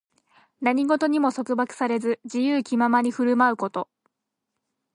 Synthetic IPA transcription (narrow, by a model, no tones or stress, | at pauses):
naɲ̟iɡo̞t̪o̞ɲ̟imo̞so̞kɯ̟bakɯ̥saɾe̞zɨd͡ʑijɯːkʲimamaɲ̟ʲiɸɯ̟ɾɯ̟maɯ̟ko̞t̪o̞